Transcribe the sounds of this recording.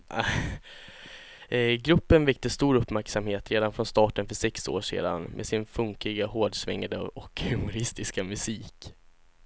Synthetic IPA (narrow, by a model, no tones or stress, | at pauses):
ɡɾɵpːənvɛk̚t̪əst̪uːɾɵpːmæɾksamheːt̪ɾeːd̪anfɾɔnst̪ɑːʈənfœʂɛkso̰ːʂḛːd̪a̰nmʔḛːsɪnfɵŋkɪɡaɦoːɖsvɛ̰ŋːad̪ə̰ʔɔkhɵmʊɾɪst̪ɪskamɵsiːk